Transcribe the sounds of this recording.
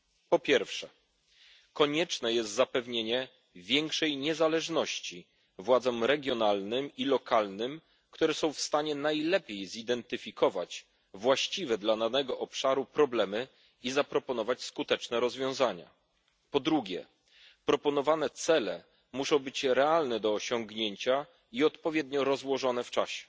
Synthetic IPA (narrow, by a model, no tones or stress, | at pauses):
pɔpʲjɛɾfʂɛ | kɔɲɛt͡ʂnɛjɛst̪zapɛvɲeɲɛ | vʲjɛŋkʂɛjɲɛzalɛʐnɔɕt͡ɕi | vwad̪zɔmɾɛɡʲjɔnalnɘmilɔkalnɘm | kt̪uɾɛsɔ̃w̃fst̪aɲɛnajlɛpʲjejzid̪ɛnt̪ɘfʲikʰɔvat͡ɕ | vwaɕt͡ɕivɛd̪lananɛɡɔʔɔpʂaɾupɾɔblɛmɘ | izapɾɔpɔnɔvat͡ɕskut̪ɛt͡ʂnɛɾɔzvʲjɔ̃w̃zaɲa̰ | pɔd̪ɾuɡʲɛ̰ | pɾɔpɔn̪ɔvanɛt̪sɛlɛ | muʂɔ̃w̃bɘt͡ɕɾɛalnɛd̪ɔːɕɔŋɡɲeɲt͡ɕa | iɔt̪pɔvʲjɛd̪ɲɔɾɔzwɔʐɔn̪ɛft͡ʂaɕɛ̥